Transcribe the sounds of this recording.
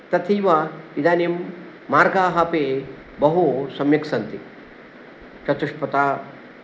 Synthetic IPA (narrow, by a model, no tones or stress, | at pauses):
t̪ɐt̪ʰiːʋaid̪aːnjimː | aːɾɡaːɦɐpeː | bɐɦusɐmjɐksɐnt̪i | t͡ʃɐt̪uʂpɐt̪aː